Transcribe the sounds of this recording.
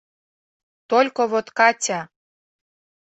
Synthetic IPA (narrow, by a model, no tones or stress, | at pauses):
t̪olʲkoβot̪kɑtʲɑ